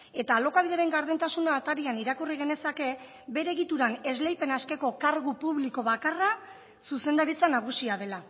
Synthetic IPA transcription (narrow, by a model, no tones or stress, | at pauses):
e̞t̪aːlo̞kaβiðeɾe̞ŋɡaɾðent̪asunaːt̪aɾianiɾakuriɣ̞e̞ne̞sake̞ | be̞ɾeɣit̪uɾane̞zle̞jpe̞naske̞ko̞kaɾɣupuβliko̞βakara | suse̞nd̪aɾit͡sanaɣ̞usiað̞e̞la